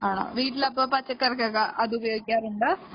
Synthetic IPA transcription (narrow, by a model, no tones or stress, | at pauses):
aːɳa̰ʋiːʈilɐpːoːpɐt͡ɕːɐkːɐɾɐkːeːkɐʔɐðubɐjoːɡikʲːaːɾuɳɖɨ